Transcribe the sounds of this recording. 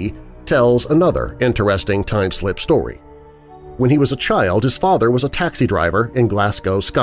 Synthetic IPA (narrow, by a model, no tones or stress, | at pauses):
tʰɛlˠzənʌðə̰˞ɪ̃ntə˞ɛstɪ̃ŋtʰãɪ̃mslɪpstɔ̰ɹḭ | wə̃niwʌzət͡ʃʰaɪlˠd̚hɨz̥fɑðə˞wʌzətʰæksidɹa̰ɪvə˞ɨ̃nɡlæskoʊska